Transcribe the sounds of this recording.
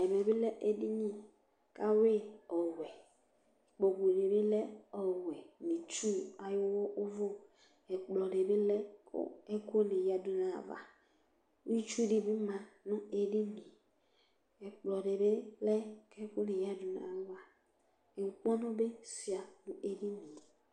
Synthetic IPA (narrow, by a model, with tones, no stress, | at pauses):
ɛ˨mɛ˨be˦lɛ˦ʔe˨di˦ɲĩ˦ | ka˦we˦ɔ˨wɛ˨ | k͡po˨ɡu˨e˨ɖe˨be˦lɛ˦ɔ˨wɛ˨nĩ˨t͡ʃu˦a˨jo˦wɔ˦ʔo˦vo˦ | ɛ˨k͡plɔ˨ɖe˨be˦lɛ̰˦ɛ˦ko˦nĩ˨ja˦du˨nã̰˨va̰˨ | u˦i˦t͡ʃu˦ɖi˨be˦mã˨nũ˦e˨ɖi˦mĩ˨ | ɛ˨k͡plɔ˨ɖe˨be˦lɛ˦kɛ˦ko˦ne˨ja˦du˨na̰˨wa˨ | e˨u˨k͡pɔ˦nõ˦be˦si˨a˨nũ˦ʔe˨ɖi˦mĩ˨